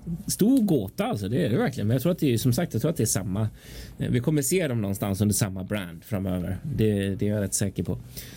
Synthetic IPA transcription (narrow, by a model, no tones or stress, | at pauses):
st̪uːɾɡoːt̪aalsɔd̪ɛdɛvæɾklɪɡənmnjɑt̪ʰɾːat̪d̪ɛjsɔmsakt̪jɑt̪ɾuːat̪d̪ɛæʂamːa | vɪkʰɔmːəseːd̪ɔmnɔnːst̪ansɵnd̪əʂamːabɾa̰nd̪fɾamøːvə̰ɾd̪ɛd̪ɛjaɾɛt̪ːsɛːkəɾpʰɔ̰